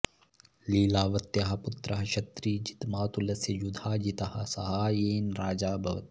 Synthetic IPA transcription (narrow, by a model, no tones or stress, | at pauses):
liːlaːʋɐt̪ːjaɦɐpʊt̪ɾɐɦɐʃɐt̪ɾiːd͡ʒit̪maːt̪ulɐsed͡ʒud̪ʱaːd͡ʒit̪ɐhasɐɦaːjeːnɾaːd͡ʒaːbʱɐʋɐ̰t̪